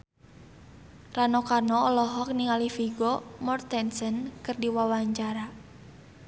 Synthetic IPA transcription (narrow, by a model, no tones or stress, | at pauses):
ranokarnɔːlɔɦɔk̚niŋalifiɡɔmɔrt̪ɛnsənkɨrdiwawaɲt͡ʃaɾa